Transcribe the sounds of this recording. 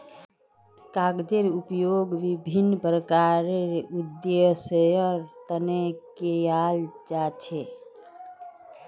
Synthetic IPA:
kaɡd͡ʒeɾupjoɡʋibʱinːpɾəkaɾeɾud̪esəjəɾt̪ənekejald͡ʒat͡ʃʰe

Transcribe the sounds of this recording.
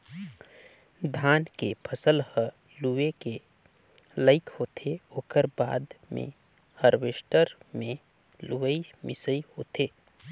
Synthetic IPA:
d̪ʱaːnkepʰəsəlhə | lueke | ləɪkhoːt̪ʰeoːkəɾba̰ːd̪mḛ̃ | həɾʋeːʃʈəɾmẽ | luːəimɪsəihoːt̪ʰeː

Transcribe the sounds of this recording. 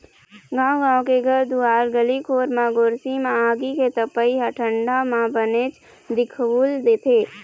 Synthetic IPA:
ɡãːw̃ɡãːõkeɡʱɐɾd̪uaːɾɡəlikʰoːɾmãɡoːɾsimãaːɡiket̪əpəiɦɐʈʰə̃ɳɖamãbəneːt͡ʃ | d̪ɪkʰbuːld̪eːt̪ʰeː

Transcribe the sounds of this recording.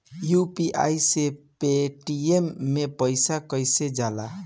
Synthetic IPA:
jupiʔa̰jsepeʈiemːepəjsakəjsed͡ʒala̰

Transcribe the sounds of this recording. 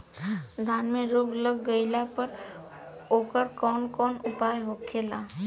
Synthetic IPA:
d̪ʱaːnmẽɾoːɡləɡːəɪlapəɾ | oːkəɾkɔːnkɔːnʊpaːjɦoːkʰeːlaː

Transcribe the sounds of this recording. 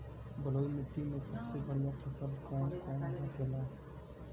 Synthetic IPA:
bəlojmɪʈːimẽsəbsebəɽ̤ijakʰəsəlkɔːnkɔːnɦəkʰela

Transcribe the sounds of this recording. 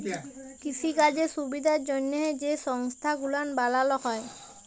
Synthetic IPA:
kisiɡad͡ʑeʃubid̪ʱaɾd͡ʑonːeed͡ʑeʃɔŋst̪ʰaɡulanbalaloɦɔe

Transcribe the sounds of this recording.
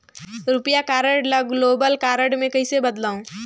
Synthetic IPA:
ɾʊpjakaːɾəɖləɡloːbəlkaːɾəɖmẽkɐisebɐd̪laːũ

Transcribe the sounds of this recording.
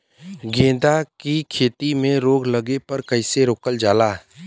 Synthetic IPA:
ɡẽːd̪akikʰeːt̪imẽɾoːɡləɡepɐɾkɐɪseɾoːkəld͡ʒaːlaː

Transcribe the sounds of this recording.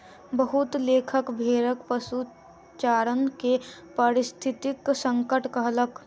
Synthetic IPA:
bəɦʊt̪leːkʰəkbʱeːɾəkpəsu | t͡ʃaːɾənkepəɾɪst̪ʰɪt̪ɪksə̃ŋkəʈkəɦlək

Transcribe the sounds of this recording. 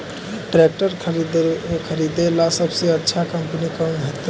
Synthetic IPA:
ʈɾek̚ʈəɾʰɾkʰəɾid̪elasəbseətːʃʰakəmpnikəmɦət̪ː

